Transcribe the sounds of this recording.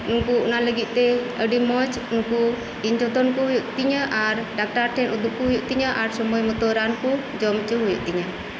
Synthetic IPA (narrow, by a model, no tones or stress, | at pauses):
nuŋkuunaləɡiʔt̪ɛəɖimɔt͡ʃ | nuŋku | iɲd͡ʒɔt̪ɔnkuɦujuʔt̪iɲəʔaɾɖak̚ʈaɾʈɛnud̪uʔkuɦujuʔt̪iɲəʔaɾsɔmɔjmɔt̪ɔɾanku | d͡ʒɔmt͡ʃuɦujṵʔt̪iɲə